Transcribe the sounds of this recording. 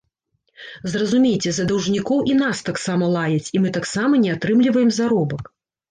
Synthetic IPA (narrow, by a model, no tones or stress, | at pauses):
zrɐzumʲejt͡sʲɛzɐd̪ɐwʐnʲikɔwʔinast̪aksamɐlˠajɐt͡sʲimɨt̪aksamɐnʲɛat̪ɾɨmlʲivɐjɛmzaɾɔbɐk